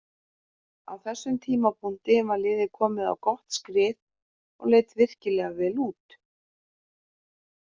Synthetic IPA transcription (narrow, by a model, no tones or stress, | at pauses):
a̰wθɛsːʏmt̪ʰiːmapʰʊn̥t̪ɪvalɪːðɪkʰɔːmɪða̰wkɔht̪skɾɪːt̪ | ɔ̰ɣleːjt̪vɪr̥cɪlɛɣavɛːluːt̪